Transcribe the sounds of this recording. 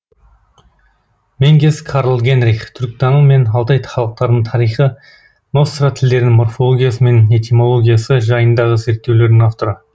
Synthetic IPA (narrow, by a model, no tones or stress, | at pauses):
meŋɡʲeskʰɑɾlˠɡʲe̞nɾiχt̪ʰʏɾk̚t̪ɑnəɴme̞nɑlˠt̪ɑjt̪χɑlˠəq̚t̪ɑɾd̪əɴt̪ʰɑɾijχə | no̞st̪rat̪ʰɪld̪e̞ɾɪnɪŋmo̞rfolˠoɡʲijas̬əme̞ne̞t̪ʲemo̞lˠo̞ɡʲijasəʒɑjənd̪ɑʁəze̞ɾt̪ːe̞wle̞ɾd̪ɪŋɑft̪o̞ɾə